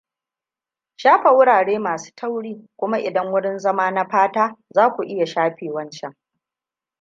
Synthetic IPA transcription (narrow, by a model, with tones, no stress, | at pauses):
ʃaː˦ɸa˨wʊ˦ɽaː˨ɽeː˦maː˨su̥ː˦tʰɐ˦wɽiː˦kʷʊ˦ma˦ʔɪ˨dɐ˦ŋwʊ˦ɽɪ˦nzɐ˦maː˦na˦ɸaː˦taː˦zaː˦kʷu˨ʔɪ˦ja˨ʃaː˦ɸeː˨wɐ˦nt͡ʃɛ˦ŋ